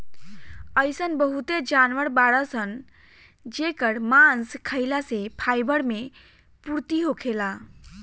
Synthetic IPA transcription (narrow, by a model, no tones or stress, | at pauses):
əɪjsənbəɦut̪ed͡ʒanʋəɾbaɽəsən | d͡ʒekəɽmanskʰəɪlasepʰajbəɽme | puɾt̪iɦokʰela